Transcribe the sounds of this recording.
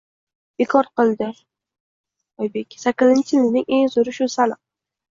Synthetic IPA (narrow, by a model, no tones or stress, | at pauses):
b̥ekʰɒɾqɨlˠd̪ɪ | ɒjbekʲsakʲːɪzɪnt͡ʃʰɪɪlɪnɪŋe̞ŋzʊɾɪʃʊsalɨq̚